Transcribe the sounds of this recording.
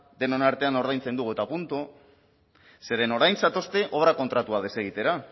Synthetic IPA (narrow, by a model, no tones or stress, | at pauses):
d̪e̞nonaɾt̪e̞ano̞ɾðajnt͡se̞nd̪uɣuet̪apunt̪u | se̞ɾe̞no̞ɾajnsat̪o̞st̪e̞ʔo̞βɾako̞nt̪ɾat̪uað̞e̞seɣ̞it̪e̞ɾa